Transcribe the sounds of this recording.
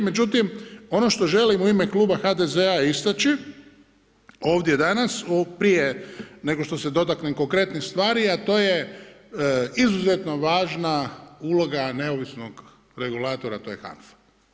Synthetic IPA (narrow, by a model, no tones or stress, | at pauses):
me̞d͡ʒut̪imo̞no̞ʃt̪o̞ʒe̞limuime̞kluːbaxad̪ezeaist̪at͡ʃi | o̞ːʋd̪je̞d̪anasupɾijene̞ɡoʃt̪o̞se̞d̪o̞t̪̬aknemko̞ŋkɾe̞t̪nist̪ʋaːɾiat̪o̞ːje | izuzet̪no̞ʋaːʒnaulo̞ɡane̞oʋisnoɡ | ɾe̞ɡulaːt̪o̞ɾat̪o̞ːjexa̰nf